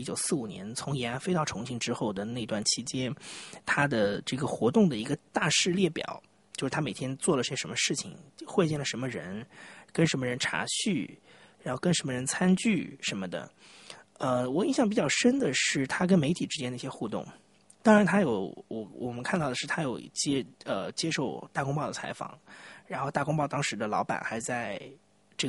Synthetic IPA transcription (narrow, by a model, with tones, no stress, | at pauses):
i˥t͡ɕjo˨˩ʊsɹ̩˥˩u˨˩njɛ̰˧˥nt͡sʰʊ˧˥ŋjɛ˧˥nla˧˥nfe˥ɪt̪ɑ˥˩ʊʈ͡ʂʰʊ˧˥ŋt͡ɕɕʰi˧˥ŋʈ͡ʂɻ̩˥xo˥˩ʊd̪ə˩na˥˧ɪ˧t̪wa˥˩nt͡ɕʰi˧˥t͡ɕjɛ˥nt̪ʰa˥d̪ə˨˩ʈ͡ʂɤ˥˩ɡə˩xwɔ˧˥t̪ʊ˥˩ŋd̪ə˩i˧˥ɡə˧t̪a˥˧ʂɻ̩˥˧ljɛ˥˩pjɑ̰˨˩˦ʊ | t͡ɕjo˥˧ʂ̩˥˩t̪ʰa˥me˨˩t̪ʰjɛ˥nt͡swɔ˥˩lə˩i˥˩ɕɛ˥ʂə˧˥nmə˧ʂɻ̩˥˩t͡ɕʰḭ˨˩ŋxwe˥˧ɪt͡ɕjɛ˥˩nlə˩ʂə˧˥mə˧ɻə̰˧˥nkə˥nʂə˧˥nmə˧ɻə˧˥nʈ͡ʂʰa̰˧˥ɕy˥˩ | ɻa˧˥nxo˥˩ʊkə˥nʂə˧˥mə˧˩ɻə˧˥nt͡sʰa˥nt͡ɕy˥˩ʂə˧˥nmə˧d̪ə̰˩ | ə˧wɔ˨˩i˥˧nɕjɑ˥˩ŋpi˩t͡ɕjɑ˥˩ʊʂə˥nd̪ə˨ʂɻ̩˥˩t̪ʰa˥k̬ə˥nme˧˥ɪt̪ʰi˨˩ʈ͡ʂɻ̩˥t͡ɕjɛ˥nd̪ə˧i˥˩ɕjɛ˥xu˥˧t̪ʊ̰˥˩ŋ | t̪ɑ˥ŋɻa˧˥nt̪ʰa˥jo˨˧˥ʊɔ˩wɔ˨˩mə˦nkʰa˥˧nt̪ɑ˥˩ʊd̪ə˩ʂɻ̩˥˩t̪ʰa˥jo˨˩ʊt͡ɕjɛ˥ə˧t͡ɕjɛ˥ʂo˥˧ʊt̪a˥˩kʊ˥ŋpɑ˥˩ʊd̪ə˩t͡sʰa˧˥ɪfɑ̰˨˩˦ŋɻa˧˥nxo˥˧ʊt̪a˥˩kʊ˥ŋpɑ˥˩ʊt̪ɑ˥ŋʂɻ̩˧˥d̪ə˧lɑ̰˧˥ʊpa̰˨˩nxa˧˥ɪt͡sa˥˧ɪ | ʈ͡ʂɤ˥˩